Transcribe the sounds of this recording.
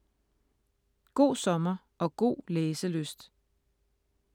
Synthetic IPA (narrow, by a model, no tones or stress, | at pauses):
ɡ̥o̝̰ːsɒ̽mɐ | ʔɒ̽ɡ̥o̝̰ːleːsəløsd̥